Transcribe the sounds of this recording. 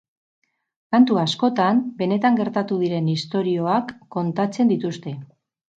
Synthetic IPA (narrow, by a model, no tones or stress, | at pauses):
kant̪uasko̞t̪ambe̞ne̞t̪aŋɡe̞ɾt̪at̪uð̞iɾe̞nist̪o̞ɾio̞akːo̞nt̪at͡se̞nd̪it̪ust̪e̞